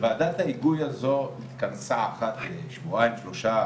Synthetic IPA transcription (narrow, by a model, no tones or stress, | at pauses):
veadat̪haiɡujazonit̪kant͡saːχat̪beʃvuajimʃlo̞ʃa